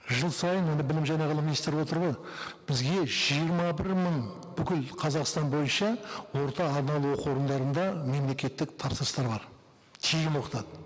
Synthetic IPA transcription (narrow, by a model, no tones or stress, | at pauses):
ʒəlˠsɑjənwonəbɪlɪmʒɑjnɑʁəlˠəminist̪eɾwo̞t̪əɾbəj | b̥ɪzɡʲe̞ʒijəɾmɑbɪɾməɴ | b̥ʏkʲɪlqʰɑzɑqst̪ɑnbo̞jənʃɑwo̞ɾt̪ɑːɾnɑlˠuwoquwo̞ɾənd̪ɑɾənd̪ɑme̞mle̞kʲe̞t̪ːɪkt̪ʰɑpsəɾəst̪ɑɾbɑɾ | t̪ʰijɡʲɪmwo̞qət̪ɑd̪ə